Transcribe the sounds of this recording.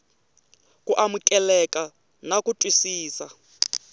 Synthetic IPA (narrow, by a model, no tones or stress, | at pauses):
kuʔamukʼɛlɛkʼa | nakutʼwisiːsa